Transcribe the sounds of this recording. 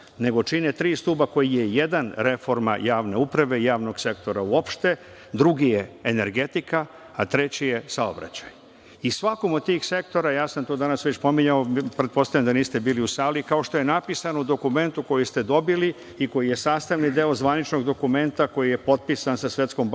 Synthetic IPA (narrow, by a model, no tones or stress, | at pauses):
ne̞ɡo̞t͡ʂinet̪ɾiːst̪uːbako̞jijejed̪anɾe̞fo̞ɾma̰jaːʋne̞upɾaʋe̞jaːʋno̞ɡ̥se̞kt̪o̞ɾauo̞pʃt̪e̞ | d̪ɾuɡijeːne̞ɾɡe̞t̪ikaː | t̪ɾe̞t͡ɕijesao̞̰bɾa̰t͡ɕaj | isʋako̞mod̪̚t̪iːxse̞kt̪o̞ɾajaːsamt̪oːd̪anasʋet͡ɕpo̞miɲaopɾet̪po̞st̪avjamd̪aniːst̪e̞biːliusaːlikao̞ʃt̪o̞je̞napisanoud̪o̞kume̞nt̪uko̞jist̪e̞d̪o̞bili | iko̞jije̞saːst̪aʋnid̪eozʋanit͡ʃno̞ɡd̪o̞kume̞nt̪ako̞jije̞po̞t̪̚pisansasʋet̪sko̞mb